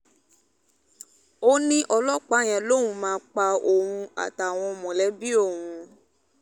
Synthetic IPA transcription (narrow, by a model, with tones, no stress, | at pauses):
o˦nĩ˦ʔɔ˧lɔ˦k͡pa˨˦˨j̃ɛ̃˨˦lõ˦˨ũ˧˦mãː˦k͡pa˧o˨ɾũ˧a̰˨ta˨w̃ɔ̃˧mɔ̃˨lɛ˨˦bi˦o˦˨wũ˧